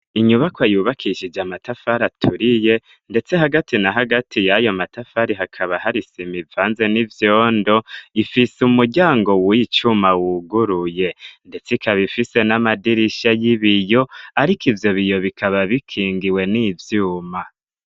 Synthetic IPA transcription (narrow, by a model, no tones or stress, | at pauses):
iɲuβakwajuːβakʰiʃid͡ʒamatafaɾatʰuɾije̞ | nde̞t͡se̞ɦaɡatinaɦaɡatʰijajo̞matafaɾiɦakʰaβaɦaɾisimivaːnze̞nivjoːndo̞ifisumuɾɟaːŋɡo̞wit͡ʃumawuɡuɾuje̞nde̞t͡sikaβifise̞namadiɾiʃajiβijo̞aɾikivjo̞βijo̞βikʰaβaβikʰiːŋɡiwe̞nivjuːma